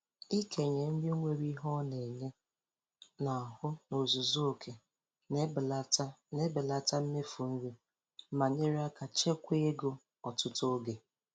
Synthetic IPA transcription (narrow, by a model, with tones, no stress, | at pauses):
i˦kʰe˨ɲe˨n̩˦dɪ˦ŋʷe˦ɾi˦ɦɔ˦ne˨ɲe˦ | nɔ˨hʊ˦no˨zʊ˨zo˦o˨kʰe˨˦ | e˦bɪ˨la˦ta˦m̩˦me˦fu˨n̩˦ɾi˦ | ma˨ɲe˦ɾi˦a˦ka˨t͡ʃe˦kʷe˦e˦ɡo˦ | ɔ˨tʊ˦to˦ɡe˨